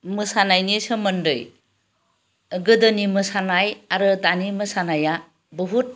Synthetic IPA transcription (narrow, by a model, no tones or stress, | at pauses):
mɯsanajniesɯmɯndɯj | ɡɯdɯnimɯsanajaɾɯtanimɯsanaja | bɯɦut̚